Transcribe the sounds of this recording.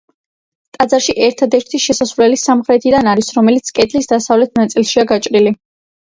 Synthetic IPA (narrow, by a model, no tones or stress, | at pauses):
t̪ʼad̪zaɾʃiʔɛɾt̪ʰad̪ɛɾt̪ʰiʃɛsasvlɛlisamχɾɛt̪ʰid̪anaɾisɾɔmɛlit̪sʰkʼɛd̪ʼlisd̪asavlɛt̪̚ʰnat̪sʼilˠʃiaɡat͡ʃʼɾili